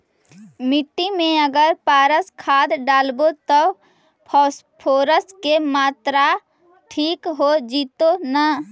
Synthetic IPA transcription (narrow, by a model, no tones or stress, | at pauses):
mɪʈːimẽəɡəɾpaːɾəskʰaːd̪ɖaːlbot̪ə | pʰ | pʰoːɾəskemaːt̪ɾa | ʈʰiːkɦod͡ʒiːt̪ona